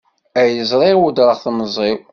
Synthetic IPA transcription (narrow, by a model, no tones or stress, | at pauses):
æjəzˤɾˤiʁwud̪ɾˤəʁθnəzˤːiw